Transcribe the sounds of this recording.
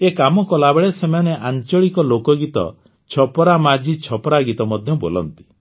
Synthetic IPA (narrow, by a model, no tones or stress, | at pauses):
ekamɔkɔlabeɭesemaneʔaɲt͡ʃɔɭikɔlokɔɡit̪ɔ̰ | t͡ʃʰɔpɔɾamad͡ʒʱit͡ʃʰɔpɔɾaɡit̪ɔmɔd̪ʱjɔbolɔ̰nt̪i̥